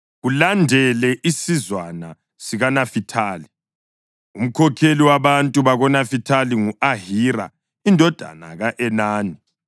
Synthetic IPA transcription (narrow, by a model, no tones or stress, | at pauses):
ɣulandʱɛlɛʔisizwana | siɣanafitʰaːli | um̩kʰɔkʰeliwaβantʼuβaɣɔnafitʰaliŋuaɦiɾa̰ | indʱɔd̥ʱa̰na̰ɣaʔɛnaːni